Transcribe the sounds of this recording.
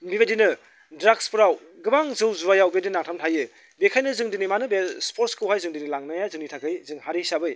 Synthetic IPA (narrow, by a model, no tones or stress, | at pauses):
bibedinɯ | dɾakspɯɾaw | ɡɯbaŋzɯwzuɾajawbiedinnaŋtʰamtʰajɯ | bekʰajnɯzɯŋdinimanɯbespʰoɾtskɯwɦajzɯŋdinilaŋnajazɯŋnitʰakɯjzɯŋhaɾisabɯj